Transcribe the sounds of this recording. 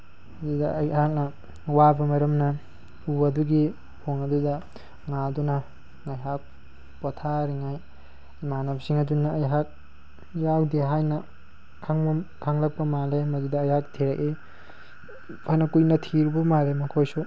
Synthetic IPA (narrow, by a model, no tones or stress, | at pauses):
mɐdidɐːjhak̚nɐ | wabɐmɐɾɐmnɐ | uɐduɡi | hoŋɐdudɐ | ŋaduna | ŋajɦak̚ | pɔtʰaɾiŋaj | manapsiŋɐdunːɐːjɦak̚ | jawdeɦajnɐ | kʰaŋbukʰaŋlɐk̚pɐmalemɐdudɐːjhak̚tʰiɾaki | pʰanɐkujnɐtʰiɾbumalemɐkʰojsu